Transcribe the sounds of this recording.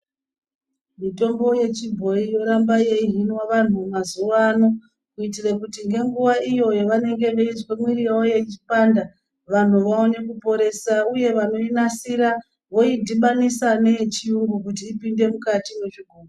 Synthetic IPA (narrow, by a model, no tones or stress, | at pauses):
mito̞mbo̞je̞t͡ʃibʱo̞ijo̞ɾambaje̞iɦinwaʋan̤umazuʋːno̞ | kuitirekutiŋɡe̞ŋɡuʋaijo̞joʋane̞ŋɡe̞ʋeizkomwiriraoje̞t͡ʃi̥panda | ʋan̤uʋao̞ne̞kupo̞ɾe̞sauje̞ʋano̞inasiɾa | ʋo̞idʱiɓanisane̞t͡ʃiuŋɡukut̬iːpinde̞mukatimweʐiɡʱuːro